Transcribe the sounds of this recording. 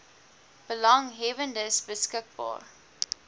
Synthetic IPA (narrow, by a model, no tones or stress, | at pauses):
b̥əlɐŋɦɛvəndəsbəskək̚bɑ̰ːr